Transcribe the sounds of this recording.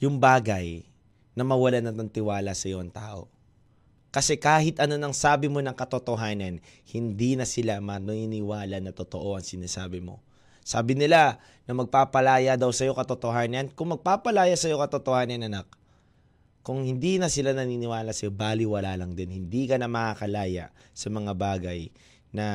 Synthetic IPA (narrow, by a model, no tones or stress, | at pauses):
jʊŋbaːɡɐj | nɐmɐwɐlanɐɐŋt̪ɪwaːlɐsɐjoʔɐŋt̪a̰ːʔo̞̰ | kɐsɛkaːhɪt̪ʔɐno̞nɐŋsaːbɪmo̞nɐŋkɐt̪ot̪oɦaːnɐn | hɪnd̪inɐsɪlamɐnɐninɪwaːlɐnɐt̪ot̪o̞ʔo̞ʔɐŋsɪnaːsaːbɪmo̞̰ | sa̰ːbɪnɪla | nɐmɐɡ̚papɐlaːjɐd̪ɐwsɐjo̞kɐt̪ot̪o̞hanɐnkʊŋmɐɡ̚paːpɐlaːjasɐjo̞kɐt̪ot̪o̞hanɐnɐnak | kʊŋhɪnd̪inɐsɪlanɐniːnɪwaːlɐsɐjo̞baːlɪwɐlaːlɐŋd̪ɪnhɪnd̪ikɐnɐmɐkakɐlaːjɐ̰sɐmɐŋabaːɡɐj | nɐ